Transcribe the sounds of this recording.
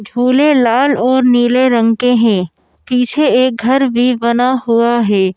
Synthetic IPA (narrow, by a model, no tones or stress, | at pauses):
d͡ʒʱuːlelaːlɔːɾniːleɾə̃ŋkẽɦɛ̃ː | piːt͡ʃʰeeːk̚ɡʱɐɾbʱibɐnahʊaɦɛː